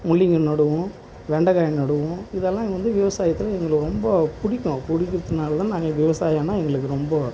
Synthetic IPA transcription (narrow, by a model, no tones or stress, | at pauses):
mʊɭːɪŋɡɐnɐɽɯʋʊ̃ | ʋɛɳɖɐɣaːjnɐɽɯʋʊ̃ɪðɛlːãːʋɐnd̪ɯʋɪʋɐsaːjɐt̪ːɪlɐɛŋɡɐɭɯkːɾɔmbɐpʊɽɪkʲːʊ̃pʊɽɪkːɪɾɐðɯnaːlɐt̪ãːnaːŋɡɐʋɪʋɐsaːjaːnːaːɛŋɡɐɭɯkːɯɾɔmbɐ